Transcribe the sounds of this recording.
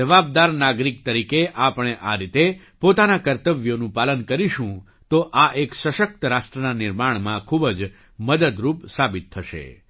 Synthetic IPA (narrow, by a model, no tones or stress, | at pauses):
d͡ʒəʋab̚d̪aɾnaɡɾik̚t̪əɾikeʔapəɳ̃eʔaɾit̪e | pot̪anakəɾt̪əʋjonũpalənkəɾiʃũ | t̪oʔaʔeksəʃək̚t̪əɾaʃʈɾənanɪɾmaɳ̃mãkʰubd͡ʒ | məd̪əd̪ɾupsabit̪ʰːəʃḛ